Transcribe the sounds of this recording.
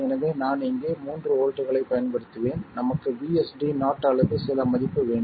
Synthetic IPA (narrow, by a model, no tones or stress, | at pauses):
ɛnɐʋeːnaːnɪŋɡeːmuːndrɯoːɻʈːɯɣɐɭɐɪpːɐjɐnpɐɽɯt̪ːɯʋeːnnɐmɐkːɯʋiːɛsɖinaːʈːɐɭɐðɯsɪlɐmɐðɪpːɯʋeːɳɖ